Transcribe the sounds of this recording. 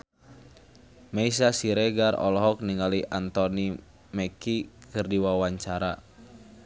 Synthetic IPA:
mɛis̬asiɾɛɡarɔ̰lɔɦɔk̚niŋaliʔant̪ɔni | mɛkikɨrdiwawaɲt͡ʃaɾa̰

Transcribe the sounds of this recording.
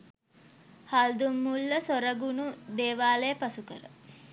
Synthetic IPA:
hald̪umːulːəsoɾəɡunud̪eːʋaːlejəpasukəɾə̰

